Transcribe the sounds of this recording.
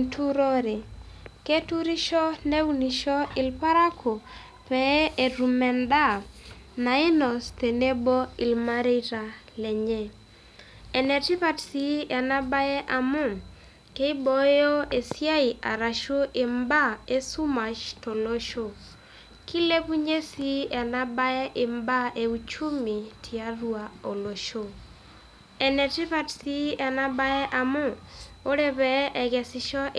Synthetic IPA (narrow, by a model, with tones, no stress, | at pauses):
tʰu˦ɾo˦ɾe˨ke˦tu˦ɾi˦ʃɔ˦ne˦wuni˨ʃɔ˦ɪ˨lpa˦ɾa˦kʰo˨ | pɛ˨˦e˨ɾu˨mɛ˨nda˦ | na˨ɪ˦nɔ˨ste˨ne˦bo˦i˨lma˦ɾe˦ɾa˨ | lɛ˨ɲɛ˦˨ | ɛ˨nɛ˨ti˦pa˦tsi˦a˨na˦ba˦ɛ˦ʔa˨mu˦m | ke˦i˦bo˦jo˦e˨sja˦i˨ʔa̰˨ɾa˨ʃo˦ʔɪ˨mba˦e˦su˦ma˨t͡ʃto˨lo˦ʃo˦ | ki˦le˦pu˦ɲe˦si˦ɛ˨na˦ba˦ɛ˦ʔɪ˨mba˦e˨u˨t͡ʃu˦mi˨tʰi˨a˦rwa˨o˨lo˨ʃo˦ | ɛ˨nɛ˨tɪ˦pa˦tsi˦ɛ˨na˦ba˦ɛ˦ʔa˨mʊ˦ | o˦ɾe˦bɛ˨ʔɛ˨ɡɛ˨sɪ˦ʃɔ˦ʔ